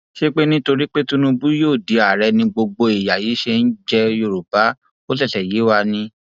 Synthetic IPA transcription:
ʃe˦k͡pe˦nĩ˦to˧ɾi˦k͡pe˦tũ˦nũ˧bu˦joː˦˨di˨a˨ɾɛ˧nĩ˧ɡ͡bo˧ɡ͡bo˧i˨ja˨jiː˨˦ʃe˧n̩˦d͡ʒɛ˦˧jo˧˨ɾu˨ba˨˦ | o˦tɛ˦˨tɛ˨ji˨˦wa˧nĩ˧

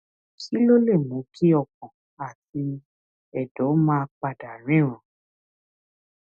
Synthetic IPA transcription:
kʰi˦lo˦le˦˨mũ˨˦kʰi˦ɔ˦˨kɔ̃˨ | a˨ti˧ | ɛ˨dɔ˨˦mãː˦˧k͡pa˨da˨ɾ̃ĩ˨˦˨ɾ̃ã˨

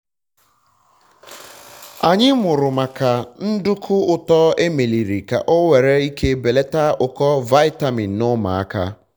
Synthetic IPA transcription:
a˨ɲɪ˦mʊ˨ɾʊ˨ma˨ka˨n̩˦dʊ˦kʰʊ˦ʊ˨tɔ˦e˦me˨li˨ɾi˨ka̰˨ʔɔ˦we˨ɾe˦i˦kʰe˦be˨le˦ta˦ʊ˨kɔ˦va˦ɪ˦ta˨mi˨nʊ˦ma̰˨a̰˦ka̰˦

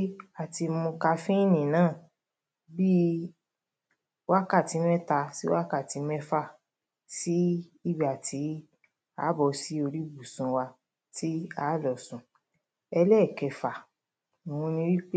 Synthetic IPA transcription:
a˦˨ti˧mũ˧ka˧fĩ˦nĩ˨nãː˦˨ | bi˦ | wa˦ka˦˨ti˨˦mɛ˦ta˧si˦wa˦ka˦˨ti˨˦mɛ˦fa˦˨ | si˨˦i˦˨bi˨a˨tʰi˨˦ | a̰˦bɔ˨˧si˦o˧ɾi˦bu˨sũ˨˧wa˧ | ti˦a˦˨lɔ˨sũ˨ | ɛ˧lɛ˦˨kɛ˧˨fa˨ | mũ˧nĩ˧wi˦k͡p

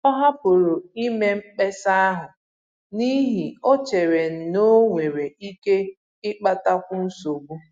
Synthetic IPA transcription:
a˦ɦa˦pʊ˨ɾo˨i˦me˦ŋ͡m̩˦k͡pe˦sa˦a˦ɦa˨ | ni˦ɦi˨o˦t͡ʃe˨ɾe˨n̩˨no˦ŋʷe˨ɾe˨i˦ke˦ | ɪ˦k͡pa˦ta˦kʷʊ˦n̩˦so˨ɡ͡bu˦

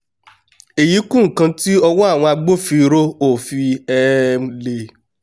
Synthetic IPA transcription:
e˨ji˨˦kũ˦˨kã˧ti˦ɔ˧wɔ˦a˦˨w̃ɔ̃˧a˧ɡ͡bo˦fi˧ɾo˦o˦˨fi˧ɛ˦le˧

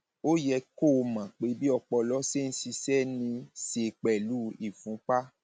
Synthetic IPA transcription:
o˦jɛ˧ko˦˨˧mã˨k͡pe˧˦bi˦ɔ˧k͡pɔ˧lɔ˦se˦˨n̩˦si˧sɛ˦nĩ˧se˧k͡pɛ˨lu˦i˨fũ˨˦k͡pa˦

